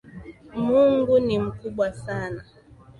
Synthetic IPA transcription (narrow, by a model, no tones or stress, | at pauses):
muŋɡunim̩kuɓwasana